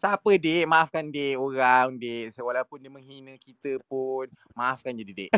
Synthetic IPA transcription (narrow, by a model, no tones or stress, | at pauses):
sapədeʔmaafkandeʔoɾaŋdeʔsəwalawpʊndeʔməŋɦinə̃kit̪əpun | maʔːfkand͡ʒadideʔ